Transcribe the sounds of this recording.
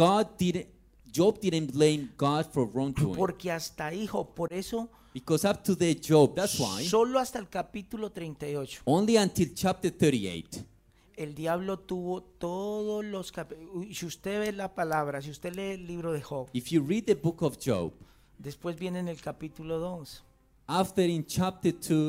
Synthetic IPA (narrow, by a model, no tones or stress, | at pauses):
ɡ̥ɑd̚diɾ̃ | d͡ʒob̚d̪idɨ̃nblẽɪ̃mɡɑdfɔɹɔ̃ŋtṵpo̞ɾke̞ast̪aixob̚po̞ɾe̞so̞ | bikɔsap̚t̪ʰuðed͡ʒob̚ðatswa̰jsso̞lo̞ast̪aelkapit̪ulo̞t̪ɾejnt̪ajo̞t͡ʃo̥õnliãnt̪ʰilt͡ʃap̚t̪ə˞θə˞ɾiḛjt̪ | e̞ld̪jaβlo̞t̪uβo̞t̪oðolo̞skapsiust̪e̞βe̞lapalaβɾasiust̪e̞le̞ːlːiβɾo̞ðexoβifjuɹid̪̚ðəbukɔvd͡ʒo̰ʊb | d̪e̞spwe̞zbje̞nene̞lkapit̪ulo̞ðo̞s | aft̪ə˞ĩnt͡ʃap̚t̪ətʰu